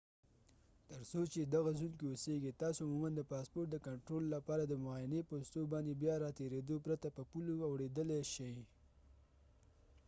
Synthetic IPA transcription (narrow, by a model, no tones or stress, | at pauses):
t̪əɾsot͡ʃed̪aɣazunkeoseɡet̪ɑsoʊmumand̪əpɑspoɾʈ̚d̪əkaɳʈɾolːapɑɾad̪əmʊɑjɪnepost̪obɑnd̪ebjɑɾɑt̪eɾed̪opɾat̪apəpuloawɽed̪əleʃaj